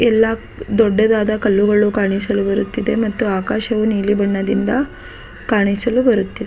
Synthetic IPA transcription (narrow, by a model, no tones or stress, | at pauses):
ɛlːɐ | d̪ɔɖːɐd̪aːd̪ɐkɐlːuɡɐɭukaːɳisɐlubɐɾut̪ːid̪e̞mɐt̪ːuaːkaːʃɐʋuniːɭibɐɳːɐd̪ind̪ɐ | kaːɳisɐlubɐɾut̪ːid̪e